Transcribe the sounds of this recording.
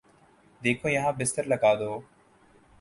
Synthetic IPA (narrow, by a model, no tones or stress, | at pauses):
d̪eːkʰoːjəɦãːbɪst̪əɾləɡaːd̪oː